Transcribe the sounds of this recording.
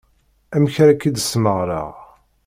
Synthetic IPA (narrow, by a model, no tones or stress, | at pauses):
æmçɾækːid̪əsməʁɾə̰ʁ